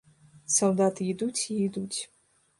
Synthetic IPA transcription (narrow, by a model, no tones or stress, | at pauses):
sold̪at̪ʰjid̪utʲʰijd̪utʲʰ